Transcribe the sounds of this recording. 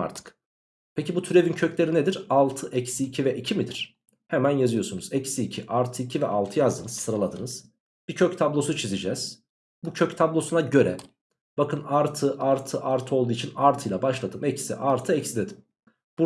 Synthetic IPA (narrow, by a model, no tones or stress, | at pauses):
a̰ɾt̪ʰɯ̥k | pʰecibut̪ʰyɾe̞vincʰøcʰlʲe̞ɾined̪iɾalˠt̪ʰɯʔɛcsiːcʰivɛʔicʰimid̪iɾ̥ | hemænjazɯjo̞ɾsunuzɛcsiːcʰiʔaɾt̪ʰɯicʰivɛ̰ʔalˠt̪ʰɯjazd̪ɯnɯz̥sɯɾalˠad̪ɯnɯz̥ | b̥icʰøc̚ʲt̪ʰablˠo̞sut͡ʃʰizid͡ʒɛz̥ | bucʰøct̪ʰablˠo̞sunaɟø̞ɾɛ̰ | b̥akɯnaɾt̪ʰɯʔaɾt̪ʰɯʔaɾt̪ʰɯo̞lˠd̪uːit͡ʃʰinaɾt̪ʰɯjlˠabaʃlˠad̪ɯmɛcsḭʔaɾt̪ʰɯɛcsid̪ed̪im | b̥u